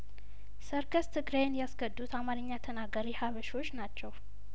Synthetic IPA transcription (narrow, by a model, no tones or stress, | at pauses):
səɾɡəst̪ʰɨɡɾenjasɡəd̪ːut̪amaɾɨɲːat̪ʰənaɡəɾihaβəʃo̞t͡ʃːnat͡ʃːɛw